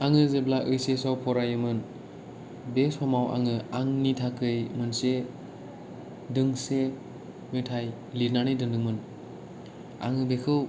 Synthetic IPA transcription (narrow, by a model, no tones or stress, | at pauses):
aŋɯzeblaʔɯjsesawpʰɔɾajɯmɯn | besɔmawʔa̰ŋɯaŋnitʰakʰɯjmɯnse | dɯŋse | metʰaj | liɾnanɯjdɯŋdɯŋmɯn | a̰ŋɯbekʰɯw